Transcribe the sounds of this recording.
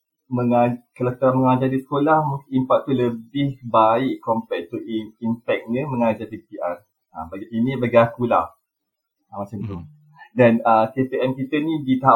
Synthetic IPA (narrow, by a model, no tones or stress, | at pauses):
məŋakalakət̪aɾanməŋad͡ʒadisə̥kolahmũkimpak̚t̪uləbɪhbaɪʔkɔmpɛʔ̪̚t̪uiimpɛk̚ɲə̃mə̃ŋad͡ʒapipiʔar | abaɡiinĩbaɡiakula̰h | amat͡ʃamt̪u | danəket̪eɛmkit̪ənĩdit̪aɦa